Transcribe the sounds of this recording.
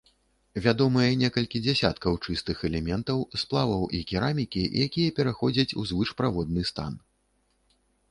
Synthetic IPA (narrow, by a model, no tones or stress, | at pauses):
vʲad̪ɔmɨjɐnʲɛkɐlʲkʲid͡zʲɛsʲa̰t̪kɐwt͡ʂɨst̪ɨxɛlʲɛmʲɛnt̪ɐwsplˠavɐwʔḭkʲiɾamʲikʲḭjakʲijɐpʲɛɾaxɔd͡zʲɐt͡sʲṵzvɨʂpɾavɔd̪̚nɨst̪a̰n